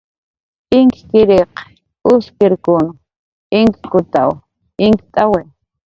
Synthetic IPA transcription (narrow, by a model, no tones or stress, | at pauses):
ɪŋkɪ̥kɪɾeq | ʊskɪɾkʊnʊ | ɪŋki̥kʊt̪aw | ɪŋki̥t̪ʼawe